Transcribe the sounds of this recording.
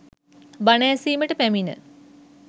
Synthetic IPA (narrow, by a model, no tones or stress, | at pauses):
banaɛsiːməʈəpæminə̰